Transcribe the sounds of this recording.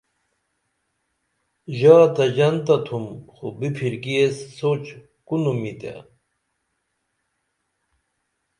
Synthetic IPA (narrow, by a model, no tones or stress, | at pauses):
ʑaːt̪ɐd͡ʑɐnt̪ɐt̪ʰumxobipʰiɾkiesːot͡ɕ | kunumit̪a̰